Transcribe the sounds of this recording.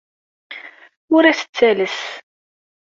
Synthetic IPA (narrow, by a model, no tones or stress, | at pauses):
ʊɾæsə̥t͡sːæləs